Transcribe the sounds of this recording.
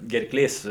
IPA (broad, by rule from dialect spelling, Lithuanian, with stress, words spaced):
ɡʲɛrˈklʲeːs